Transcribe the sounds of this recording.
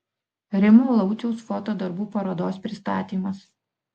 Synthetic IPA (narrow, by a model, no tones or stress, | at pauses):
ɾʲɪmuːlˠɐʊt͡ʃ̪ʲɛʊsfoːt̪oːd̪ɐɾbuːpɐɾod̪oːspʲɾʲɪst̪ɑːt̪ʲiːmɐs